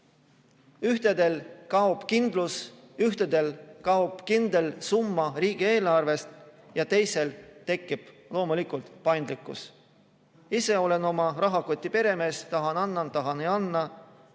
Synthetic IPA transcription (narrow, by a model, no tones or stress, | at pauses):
yht̪e̞d̪e̞lkɑob̥kind̪̥lus | yht̪ed̪̥elkɑob̥kind̪̥e̞lsumːɑɾiːɡ̥ie̞ːlɑrve̞st̪ | jɑt̪e̞jse̞lt̪e̞kːib̥lo̞ːmulikˑult̪pɑjnd̪likːˑṵs | ise̞o̞leno̞mɑɾɑɦɑko̞t̪ʲːˑipe̞ɾe̞me̞ːst̪ɑɦɑnɑnːɑnt̪ːɑɦɑnejɑnːɑ